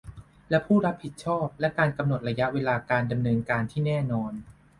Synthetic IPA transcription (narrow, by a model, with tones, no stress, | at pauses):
lɛ˦˥pʰuː˥˩ɾa˦˥p̚hi˨˩t̪̚t͡ɕʰɔː˥˩p̚lɛ˦˥kaː˧nka˧mn˨˩t̪̚ɾa˧ja˦˥ʔweː˧laː˧kaː˧nda˧mnɤː˧nkaː˧nt̪ʰiː˥˩nɛː˥˩nɔː˧n